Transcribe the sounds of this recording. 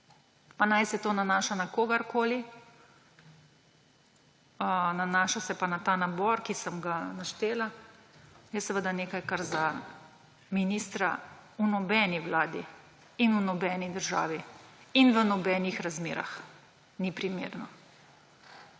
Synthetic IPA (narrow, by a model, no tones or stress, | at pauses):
panajsɛt̪oːnanaːʃanakoːɡaɾkoːli | ənanaːʃasɛpanat̪aːnabɔɾkisəmɡanaʃt̪eːla | jɛsəʋəd̪aneːkajkaɾza | minist̪ɾa̰unɔbɛniʋlaːd̪ḭ | inunɔbɛːnid̪əɾʒa̰ːʋiinʋənɔbɛːnixɾazmḛːɾa̰x | nipɾimḛːɾnɔ